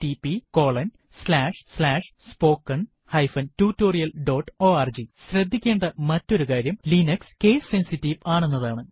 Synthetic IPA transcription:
tipːiko̞ːɭɐn | slaːʂslaːʂ | spo̞ːkːɐɳ | hɐjfɐntuːtːo̞ːrijɐlɖo̞ːʈːo̞ːaːrd͡ʑiɕrɐd̪ʱːikʲːe̞ːɳɖɐmɐtːo̞ɾukaːɾjɐmlinɐkskeːsensitːiʋaːɳunːɐðaːɳɨ

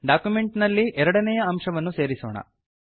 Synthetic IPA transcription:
ɖaːkjume̞ɳʈnɐlːiʔɛɾɐɽɐnɛjɐɐmʂɐʋɐnːuse̞ːɾisoːɳɐ̰

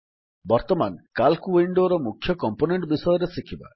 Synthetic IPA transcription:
bɔɾt̪ɔmankalkuwiɳɖoɾɔmukʰjɔkɔmponeɳʈbisɔjɔɾesikʰiba̰

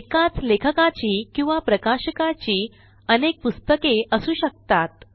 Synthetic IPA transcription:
ekat͡slekʰəkat͡ɕiːkĩw̃ʋapɾəkaɕəkat͡ɕiː | ənek̚pust̪əkeəsũːɕək̚t̪at̪̚

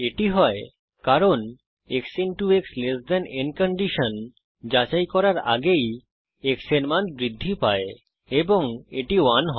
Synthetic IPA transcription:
eʈiɦɔe | kaɾon | eksinʈuekslesd̪anenkoɳɖiʃon | d͡ʑat͡ɕajkɔɾaɾa̰ɡej | eksenmanbɾid̪ʱːipae | eboŋeʈiwanɦɔ

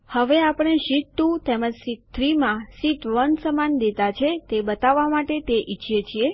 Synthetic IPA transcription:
həʋeapɽ̃eʃiʈt̪ũt̪eməd͡ʒsit̪ʰːɾimãsit̪ʋənsəmand̪et̪at͡ʃʰet̪ebət̪aʋːamaʈet̪eʔit͡ʃʰijet͡ʃʰie

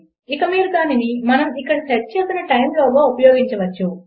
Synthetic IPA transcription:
ikɐmiːɾukaːninimɐnɐmikːɐɽɐsɐʈ̚t͡ʃeːsinɐʈɐjmloːɡoːupɐjɔːɡiɲt͡ʃɐʋɐt͡ʃːu

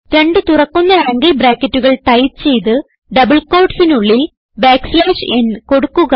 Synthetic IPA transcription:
ɾe̞ɳɖɨt̪urɐkːunːɐɾaːŋɡɐlbɾaːkːɐtːuɣɐɭt̪ɐjt̪t͡ɕe̞jt̪ɨ | ɖɐbɐɭkoːɖsinuɭːi | baːkslaːʂenko̞ɽukːuɣɐ

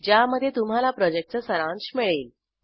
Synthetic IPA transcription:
d͡ʑjaməd̪ʱjet̪um̤alapɾɔd͡ʑek̚ʈ̚t͡səsəɾãnt͡ɕmiɭeːl

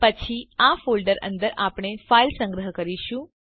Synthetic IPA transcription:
pət͡ʃʰiafolɖəɾə̰̃nd̪əɾapɽ̃efailsə̃ŋɡɾəɦəkəɾiʃũ

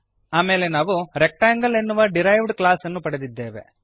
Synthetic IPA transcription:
aːmeːle̞naːʋuɾek̚ʈaːŋɡɐlenːuʋɐɖiɾɐjʋɖklaːsɐnːupɐɽed̪id̪ːe̞ːʋe̞̰

